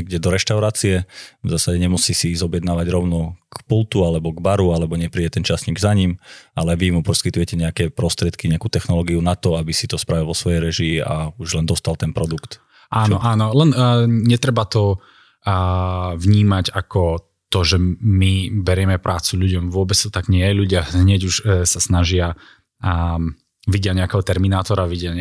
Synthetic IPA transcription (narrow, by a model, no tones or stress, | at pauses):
ɛɡɟɛd̪ɔɾɛʃt̪aʊɾaːt͡siɛvzaːsaɟɛɲɛmusiːsizɔbjɛd̪naːʋaɟɾɔʊnɔkpulˠt̪ualɛbɔɡbaɾualɛbɔɲɛpɾiːɟɛt̪ɛnt͡ʃasɲiɡzaɲimalɛʋimupɔskit̪ujɛcɛɲɛakɛpɾɔst̪ɾɪɛt̪kiɲɛakuːt̪ɛxnɔlɔːɡiunat̪ɔabisit̪ɔspɾaʋilˠʋɔsʋɔjɛjɾɛʒia̰uʒlɛnd̪ɔst̪alˠt̪ɛnpɾɔd̪ukt̪ | ʔaːnɔʔaːnɔlɛnɲɛt̪ɾɛbat̪ɔ | vɲiːmaɟakɔ | t̪ɔʒɛmibɛɾɪɛmɛpɾʔaːt͡suʎuɟɔmvʊɔbɛt͡st̪ɔ̥t̪aɡɲɪɛjɛʎuɟɪaɦɲɛɟuʃsasnaʒɪa | ʋiɟɪaɲɛakɛɦɔt̪ɛɾminaːt̪ɔɾaʋiɟɪaɛ